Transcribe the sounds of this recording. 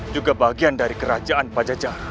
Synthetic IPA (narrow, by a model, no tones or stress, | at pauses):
d͡ʒuɡabaɡiandaɾikəɾad͡ʒaʔanpad͡ʒad͡ʒar